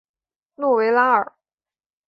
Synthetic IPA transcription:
nwɔ˥˩we˧˥ɪla˥ə˞˨˩˦

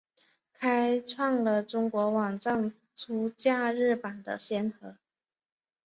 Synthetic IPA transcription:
kʰa˥ɪʈ͡ʂʰwɑ˥˩ŋlə˨ʈ͡ʂʊ˥ŋkwɔ˧˥wɑ˨˩ŋʈ͡ʂɑ˥˩ŋ | ʈ͡ʂʰu˥t͡ɕja˥˧ɻɻ̩˥˩pa˨˩nd̪ə̰˦ɕjɛ˥nxɤ˧˥

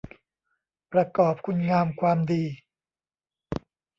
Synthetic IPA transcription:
pɾa˧kɔː˨˩p̚kʰu˧nŋaː˧mkʰwaː˧mdiː˧

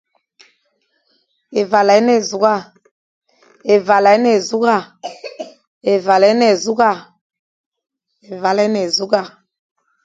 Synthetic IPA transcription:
e˨va˨lɛ˨˦nɛ˨zu˨˦ɡa˦˨ | e˨va˨la˨˦nɛ˨zu˦ɡa˦˨ | e˨va˨lɛ˨˦nɛ˨zu˦ɡa˦˨ | e˨va˨lɛ˦nɛ˨zu˦ɡa˦˨

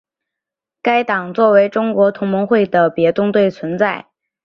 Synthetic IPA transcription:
ka˥ɪt̪ɑ˨˩ŋt͡swɔ˥˩we˧˥ɪʈ͡ʂʊ˥ŋkwɔ˧˥t̪ʰʊ˧˥ŋmʊ˧˥ŋxwe˥˩ɪd̪ə˩pjɛ˧˥t̪ʊ˥ŋt̪we˥˩ɪt͡sʰwə˧˥nt͡sa˥˩ɪ

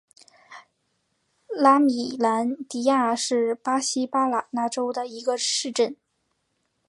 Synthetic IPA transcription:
la˥mi˨˩la˧˥nt̪i˧˥ja˥˧ʂɻ̩˥˩pa˥ɕi˥pa˥la˨˩na˥˩ʈ͡ʂo˥ʊd̪ə˨i˧˥ɡə˧ʂɻ̩˥˧ʈ͡ʂə˥˩n

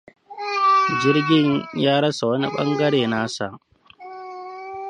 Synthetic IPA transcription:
d͡ʒɪ˦ɾɡʲɪ˦ɲjaː˦ɽɐ˦sa˨wɐ˦ni˦ɓɐ̰˦ŋɡɐ˦ɽeː˨naː˦sa̰˨

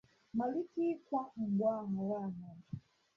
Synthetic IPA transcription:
ma˨li˦ti˦kwa˦m̩˨bwa˦ma˨la˦˨na˨

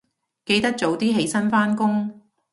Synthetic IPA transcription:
ke˧jt̪ɐ˥k̚t͡so˨˥wt̪iː˥ɦe˨˧jsɐ˥nfaː˥nkʊ˥ŋ

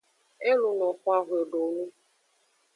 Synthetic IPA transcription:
e˦lu˨nɔ̃˨xʷa˦ɦwe˨ɖo˨nũ˦

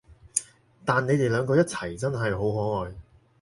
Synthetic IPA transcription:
t̪aː˨nːe˨˧jt̪e˨jlœː˨˧ŋkɔː˧jɐ˥t̚t͡sʰɐ˨˩jt͡sɐ˥nɦɐ˨jɦo˨˥wɦɔː˨˥ŋɔː˨j

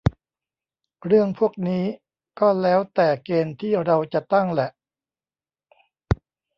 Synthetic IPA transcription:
ɾɯ˥˩əŋpʰu˥˩ək̚niː˦˥ | kɔː˥˩lɛː˦˥wt̪ɛː˨˩keː˧nt̪ʰiː˥˩ɾa˧wt͡ɕa˨˩t̪a˥˩ŋlɛ˨˩ʔ

